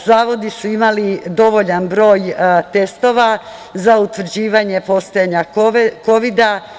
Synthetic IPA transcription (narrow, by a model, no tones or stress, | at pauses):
zaːʋo̞d̪isuimalid̪o̞ʋo̞ʎanbɾo̞ːjt̪e̞st̪o̞ʋa | zaut̪ʋɾ̩d͡ʑiːʋaɲe̞po̞st̪ojaɲako̞ʋid̪a